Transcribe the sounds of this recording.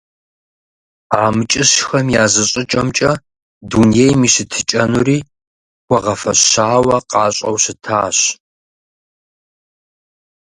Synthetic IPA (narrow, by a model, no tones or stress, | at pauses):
aːmɨt͡ʃʼɪɕxɐmjaːzɨɕʼɪt͡ʃʼɐmt͡ʃʼɐ | dunjejmiːɕɪtʰɨt͡ʃʼɐnuɾiː | xʷɔʁɐfɐɕaːwɐqɑːɕʼɐ̰wɕɪtʰa̰ːɕ